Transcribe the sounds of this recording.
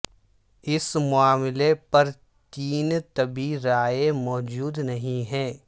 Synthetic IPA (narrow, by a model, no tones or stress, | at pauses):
ɪsmʊaːmɪlepɐɾ | t̪iːnt̪ɐbiɾaːemɔːd͡ʒuːd̪nɐɦĩɦɛ̃ː